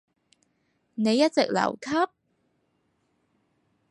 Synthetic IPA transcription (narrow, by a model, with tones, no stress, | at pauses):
ne˨˧jːɐ˦˥t̚t͡sɪ˨k̚lɐ̰˨˩wkʰɐ˥p̚